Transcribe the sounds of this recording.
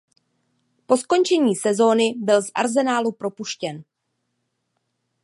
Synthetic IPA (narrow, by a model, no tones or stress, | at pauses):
po̞skont͡ʃɛɲiːsɛzo̞ːnɪbɪlzʔa̰ɾzɛnaːlupɾo̞puʃcɛn